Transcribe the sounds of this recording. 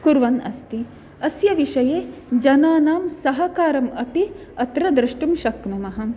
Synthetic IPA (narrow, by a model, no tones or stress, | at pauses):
kuɾʋɐnɐ̰st̪i | ɐsjɐʋiʂɐjeːd͡ʒɐnaːnaːmsɐɦɐkaːɾɐmɐpiɐt̪ɾɐd̪ɾɨʂʈumʃɐkmɐmɐɦɐ̆